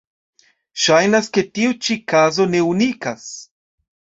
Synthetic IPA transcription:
ʃajnaske̞tiut͡ʃikazo̞ne̞unikas

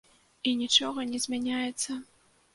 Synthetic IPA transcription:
inʲit͡ʂɔɣɐnʲɛzʲmʲanʲajɛt̪sːɐ

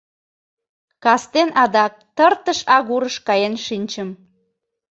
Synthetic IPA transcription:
kɑst̪enɑd̪ɑk̚t̪ərt̪əʃɑɣuɾəʃkɑjenʃinʲt͡ɕəm

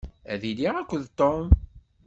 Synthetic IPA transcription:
æ̰ðiliʁækʷːəðt̪ːom

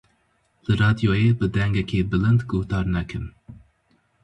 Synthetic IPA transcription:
lɨɾɑːd̪ijoːjebɨd̪ɛŋɡɛkʲʰebɨlɨnd̪ɡoht̪ɑːɾnækʰɨm

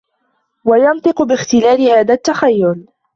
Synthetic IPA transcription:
wajɑnt̪ˤɨqʊbɪxt̪ɪlaːlɪhaːðat̪ːaxajːʊl

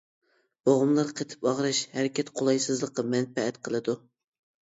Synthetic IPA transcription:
b̥oʁʊmlˠɑɾqʰet̪ʰɪ̥pɑʁɾɑʃhæɾɪkʲɛt̪qʰolˠɑjsɨzlˠəqːɑmɛnpɛɛt̪qʰəlˠɨd̪u

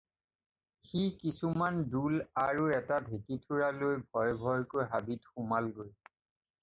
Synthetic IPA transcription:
xikisumandulaɹuɛtadʱekitʰuɹalojbʱɔjbʱɔjkojɦabitxʊmalɡoj

